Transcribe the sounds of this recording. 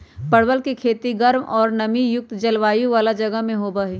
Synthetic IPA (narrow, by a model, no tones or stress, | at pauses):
pɐɽ̤wəlkikʰeːt̪iɡɐɾmɔːɾnɐmijʊk̚t̪d͡ʒɐlʋaːjũʋaːlad͡ʒɐɡəɦmẽɦoːbaɦiː